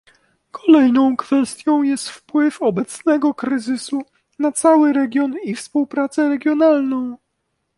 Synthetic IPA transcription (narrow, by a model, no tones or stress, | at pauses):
kʰɔlɛjnɔ̃w̃kfɛst̪ʲjɔ̃w̃jɛst̪fpwɘfɔbɛt̪snɛɡɔkɾɘzɘsu | nat̪sawɘɾɛɡʲjɔnifspuwpɾat̪sɛɾɛɡʲjɔnalnɔ̃w̃